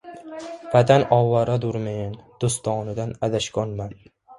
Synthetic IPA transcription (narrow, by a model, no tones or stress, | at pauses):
vat̪ʰanɒwaɾad̪ʊɾmajɪnd̪̥ʊst̪ʰɒːnɪd̪anad̪aʃkʲɒnman